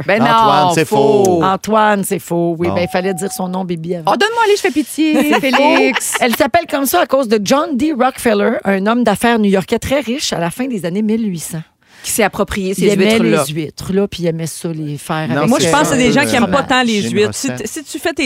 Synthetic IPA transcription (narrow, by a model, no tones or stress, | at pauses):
bɛ̃nɔ̃wafoɑ̃t̪wansefowibɛ̃ilfalɛd̪ziːʁsɔ̃nɔ̃bebiavɔd̪ɔnmwaleʒəfɛpit̪jefeliksɛlsapɛlkɔmsʌakoːzd̪əd͡ʒɑ̃nd̪iʁɔkfɛlə˞ʔœ̃nɔmd̪afɛːʁnujɔʁkʲɛt̪χɛʁɪʃalafɛ̃d̪ezanemɪlɥisɑ̃ | kʲi̥seapχɔpχijesiɛmɛlzɥɪt̪χlɔpiɛmɛsɔlefɛːʁaɛkmwapɑ̃sad̪eʒɑ̃kkʲiɛmpɔt̪ãlezɥɪt̪sisit̪yfɛt̪e